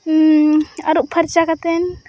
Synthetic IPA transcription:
ɐ̰ɾuʔpʰɐɾt͡ʃakɐt̪en

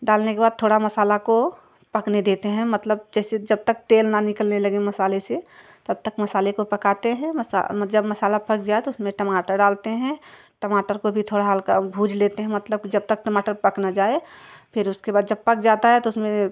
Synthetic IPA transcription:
ɖaːlnekebaːd̪̚t̪ʰoːɽamɐsaːlako | pɐkned̪eːt̪eɦɛ̃mɐt̪ləb̚d͡ʒɛːsed͡ʒɐb̚t̪ək̚t̪eːlnanɪkəlnelɐɡemɐsaːlese | t̪ɐb̚t̪əkmɐsaːlekopɐkaːt̪eɦɛ̃mɐa̰d͡ʒɐbmɐsaːlapɐkd͡ʒaːet̪oʊsmẽʈɐmaːʈəɾɖaːlt̪eɦɛ̃ | ʈɐmaːʈəɾkobʱit̪ʰoːɽaɦalkabʱuːd͡ʒʱleːt̪eɦɛ̃mɐt̪ləb̚kid͡ʒɐb̚t̪ək̚ʈɐmaːʈəɾpɐknad͡ʒaːepʰɪɾʊskebaːd̪d͡ʒɐb̚pɐkd͡ʒaːt̪aɦɛt̪oʊsmẽ

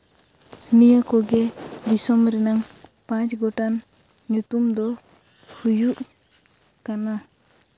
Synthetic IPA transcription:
nijakɔɡɛd̪isɔmɾɛnaŋpãt͡ʃɡɔʈan | ɲut̪umd̪ɔ | hujuʔ | kana

